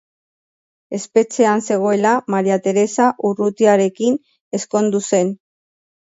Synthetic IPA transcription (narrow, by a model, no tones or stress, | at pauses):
e̞spe̞t͡se̞anse̞ɣ̞o̞e̞lamaɾiat̪e̞ɾe̞saʔurut̪iaɾe̞kin | e̞sko̞nd̪use̞n